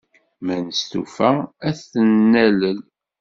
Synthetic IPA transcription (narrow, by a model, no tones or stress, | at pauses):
mænəst̪ṵfææθənːæləl